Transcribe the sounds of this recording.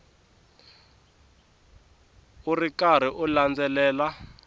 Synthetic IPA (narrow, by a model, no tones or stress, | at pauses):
urikaɾ̤iʔuland͡zɛlɛːla